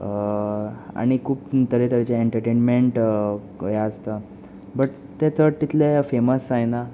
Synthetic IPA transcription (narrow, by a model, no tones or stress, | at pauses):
a̰ɽ̃ikʰuːpt̪əɾet̪əɾet͡ɕeeɳʈəɾʈenmeɳʈ | jaəst̪a | bəʈ | t̪et͡sət̪it̪lefeməsajna